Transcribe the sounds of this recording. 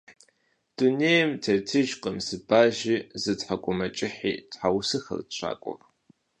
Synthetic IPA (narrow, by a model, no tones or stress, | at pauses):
d̥uneːjmtʰertʰɨʒqəmsɨbaːʒizɨtħakʷʼʊmɐt͡ʃʼɪħiːtħawsɨxɐ̰rtɕʷʰa̰ːkʷʼɔ̰r